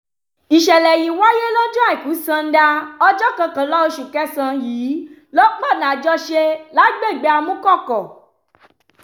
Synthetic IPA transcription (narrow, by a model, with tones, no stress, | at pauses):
i˨ʃɛ˨lɛ˨ji˨˦wa˦je˦lɔ˦d͡ʒɔ˦a˦˨ĩ˨ku˨˦sã˧n̩˦da˧ɔ˧d͡ʒɔ˦kã˧kã˨˦lɔ˦o˧ʃu˨kɛ˦sã˧jiː˨˦lɔ˦k͡pɔ˦˨nã˨d͡ʒɔ˦ʃe˧la˨˦ɡ͡be˦˨ɡ͡be˧˦a˧mũ˦kɔ˦˨kɔ˨